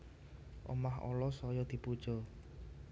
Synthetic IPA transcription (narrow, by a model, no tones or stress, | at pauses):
ʔo̰mahɔ̰lɔsɔjɔd̪̥i̤pud̥ʒ̥ɔ